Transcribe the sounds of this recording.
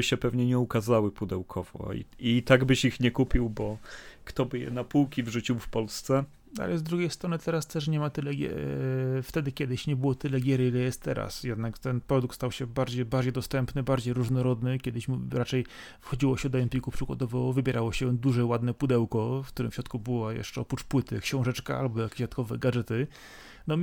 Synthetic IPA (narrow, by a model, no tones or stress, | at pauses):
ɘɕɛpɛvɲɛɲɛukazawɘpud̪ɛwkʰɔv̥ɔ̰ḭit̪aɡbɘɕixɲɛkupʲiwbɔkt̪ɔbɘjɛ̰napuwkʲivʐut͡ɕiwfpɔlst̪sɛ | a̰lɛzd̪ɾuɡʲejst̪ɾɔnɘt̪ɛɾast̪ɛʂ̬ɲɛmat̪ɘlɛɡʲɛ̰ft̪ɛd̪ɘkʲɛd̪ɘɕɲɛbɘwɔt̪ɘlɛɡʲjɛɾilɛjɛst̪ːɛ̰ɾa̰sjɛd̪nakt̪ɛnpɾɔd̪ukt̪st̪awɕɛbaɾd͡ʑejbaɾd͡ʑejd̪ɔst̪ɛmpnɘbaɾd͡ʑejɾuʐnɔɾɔd̪nɘkʲɛd̪ɘɕmɾat͡ʂɛj | fxɔd͡ʑiwɔɕɛd̪ɔɛmpʲikupʂɨɡa̰d̪ɔvɔvɘbʲjɛɾʔawɔɕɛd̪uʐɛwad̪nɛpud̪ɛwkɔfkt̪uɾɘ̰mfɕɾɔt̪kubɘwajɛ̰ʂt͡ʂɛɔpɾut͡ʂpwɘt̪ɘakɕɔ̃w̃ʐɛt͡ʂkaa̰lbɔjakat̪kɔvɛɡaʐɛt̪ɘ | nɔ